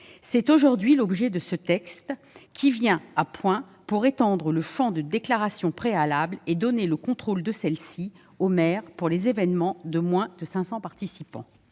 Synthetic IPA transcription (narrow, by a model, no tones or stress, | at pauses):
sɛt̪oʒuʁd̪ɥilɔbʒɛd̪əsət̪ɛkst̪ | kʲʰivjɛ̃apwɛ̃ | puʁet̪ɑ̃d̪ʁələfɔ̃d̪əd̪eklaʁasjɔ̃pχealabled̪ɔneləkɔ̃t̪χold̪əsɛlsi | omɛʁpuʁlezevɛnmɑ̃d̪əmwɛ̃d̪əsɛ̃sɑ̃paʁt̪isipɑ̰̃